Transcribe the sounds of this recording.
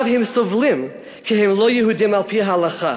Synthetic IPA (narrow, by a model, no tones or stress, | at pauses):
vhɪmsʊvlɪm | kʰɪɦɪmlˠojəhudɪmalˠpʰiːɦaalaχa̰